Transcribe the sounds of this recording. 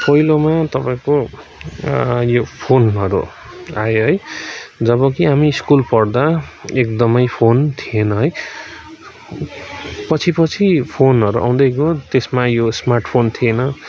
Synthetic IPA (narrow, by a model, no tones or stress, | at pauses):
pʌjlomat̪ʌpaĩko | jopʰonʌɾṵ | aeɦʌjd͡zʌβʌkiɦamiːskulpʌrd̪aekd̪ʌmʌjpʰont̪ʰienʌɦʌj | pʌt͡sʰipʌt͡sʰipʰonʌɾuʔa̰w̃d̪ʌjɡot̪esmajosmarʈʰpʰont̪ʰienʌ